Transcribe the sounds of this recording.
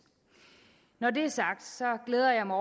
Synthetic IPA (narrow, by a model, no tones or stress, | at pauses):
nɒde̝æɐsɑ̈ɡ̥d̥sɒ̽ɡ̥leːð̞ˠɐjɑ̈ɪmaɒ